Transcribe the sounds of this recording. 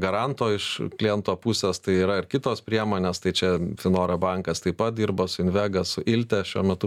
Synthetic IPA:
ɡɐɾɑnt̪oːɪʃklʲɪɛnt̪oːpusʲeːst̪ɐɪiːɾɐɪrkʲɪt̪oːspʲɾʲiɛmoːnʲeːst̪ɐɪt͡ʃʲɛtʲɪnoːɾɐbɐŋkɐst̪ɐɪpɐt̪̚d̪ʲirboːsʊɪnʲʋʲæːɡɐsʊʔɪlʲt̪ʲɛʃʲuɔmʲɛt̪ʊ

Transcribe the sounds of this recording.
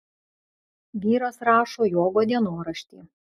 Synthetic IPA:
ʋʲiːɾoːsɾɑːʃoːjoːɡoːd̪ʲiɛnoːɾɐʃʲt̪ʲḭː

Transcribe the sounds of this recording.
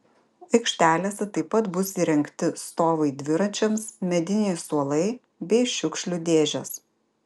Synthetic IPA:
ɐɪkʃʲt̪ʲæːlʲeːsʲɛt̪ɐɪpːɐt̪bʊsʲiɾʲɛŋkt̪ʲɪst̪oːʋɐɪd̪ʲʋʲɪɾɐnʲt͡ʃʲɛmsmʲɛd̪ʲɪnʲɛɪsuɔlˠɐɪ | bʲɛɪʃʲʊkʃʲlʲʊd̪ʲeːʒʲɛs

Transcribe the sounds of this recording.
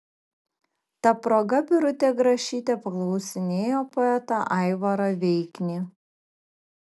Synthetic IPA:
t̪ɐpɾoːɡɐbʲɪɾʊt̪ʲeːɡɾɐʃʲiːt̪ʲepɐklˠɒʊsʲɪnʲeːjoːpɔɛt̪ɐʔɑˑɪʋɐɾɐʋʲɛɪkʲnʲiː

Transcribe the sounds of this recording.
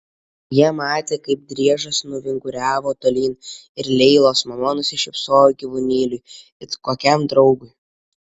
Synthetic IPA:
jiɛmɑːt̪ʲeːkɐɪp̚d̪ʲɾʲiɛʒɐsnʊʋʲɪŋɡʊɾʲæːʋoːt̪oːlʲiːnɪɾlʲɛɪlˠoːsmɐmɔnʊsʲɪʃʲɪpsoːjʊɡʲiʋʊnʲiːlʲʊj | ɪt̪ʲkoːkʲɛmd̪ɾɒʊɡʊj

